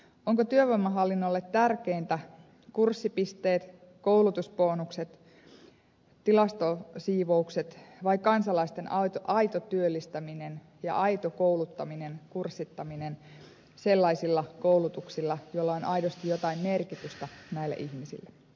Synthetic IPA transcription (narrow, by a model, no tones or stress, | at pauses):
oŋkot̪yøʋɑmːɑɦɑlːinːolːet̪t̪ærkeint̪æ | kursːipist̪e̞ːt̪ | kowlut̪uspoːnukset̪ | t̪ilɑst̪osiːʋoukset̪ʋɑikɑnsɑlɑist̪e̞nɑt̪ʔɑjt̪ot̪yølːist̪æminen | jɑ̰ʔɑit̪okoulut̪ːɑminenkursːit̪ːɑminen | se̞lːɑisilːɑkowlut̪uksilːɑjoilːɑonʔɑjɾost̪ijot̪ɑimmerkit̪yst̪ænæilːæ̰ʔiçmisḭlːæ